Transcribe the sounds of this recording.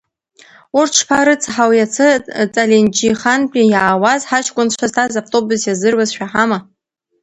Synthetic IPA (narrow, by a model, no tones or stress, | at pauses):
urʈ͡ʂʰpʰaɾɨt͡sʰʼħawjat͡sʰɨt͡sʼalend͡ʒiχanpʼijaːwazħat͡ʃʰkʷʼʊnʃʷaztʰazaptʼobʊzjazɨrwazʃᶣaħama